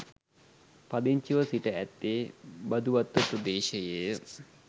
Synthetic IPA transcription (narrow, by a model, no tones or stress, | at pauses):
pad̪iɲt͡ʃiʋəsiʈəæt̪ːeːbɐd̪uʋat̪ːəpɾəd̪eːʃəje